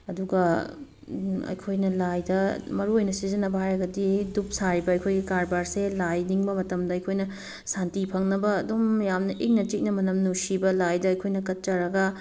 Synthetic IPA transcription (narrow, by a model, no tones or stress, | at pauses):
ɐduɡɐ | ɐ̰jkʰojnɐlajdɐmɐɾuojnɐsizɐnːɐbɐhajɾɐɡɐdidup̚saɾibɐɐjkʰojɡikaɾbaɾselajniŋbɐmɐtɐmdɐɐjkʰojnɐ | santipʰɐŋnɐbɐːdomjamnɐʔik̚nɐtik̚nɐmɐnɐmnusibɐlajdɐːjkʰojnɐkɐt̚t͡ʃɐɾɐɡɐ